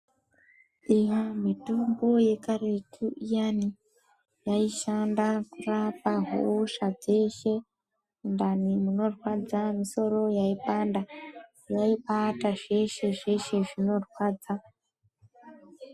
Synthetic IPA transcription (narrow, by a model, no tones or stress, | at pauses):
ijomitumbo̞je̞kaɾekʰuijani | jaiʃandakurapaɦṵʃad͡ze̞ʃe̞ | ndanimuno̞rwad͡zamiso̞ɾo̞jaipanda | jaiɓataʐe̞ʃe̞ʐe̞ʃe̞ʐino̞rwaːd͡za